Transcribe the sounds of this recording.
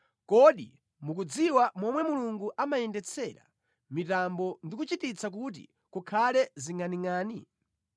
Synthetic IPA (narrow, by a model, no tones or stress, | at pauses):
kɔɗi | muk̬ud͡ziwamɔmwɛmuluŋɡuʔamajɛndɛt͡sʰɛɾa̰ | mitambɔndik̬ut͡ʃitit͡sʰak̬ut̬ḭ | kukʰalɛziŋaniŋaːni